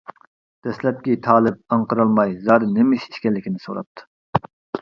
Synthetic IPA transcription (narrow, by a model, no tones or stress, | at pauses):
d̪̥ɛslɛp̚kʲit̪ʰɑːlˠɪp̚ɑɴqəɾɑlˠmɑjzɑɾɨnemiʃi̥ʃkʲɛlːɪkʲinɪsoɾɑ̰p̚t̪ʰːɨ̥